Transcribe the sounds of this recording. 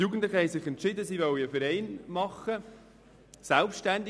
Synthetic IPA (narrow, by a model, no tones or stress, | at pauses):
juːɡən̩tlɪχəhɛɪnsɪχɛntt͡ʃɪd̪əsivɔliəfɛɾɛɪnmɑχə | sɛlpʃtænd̪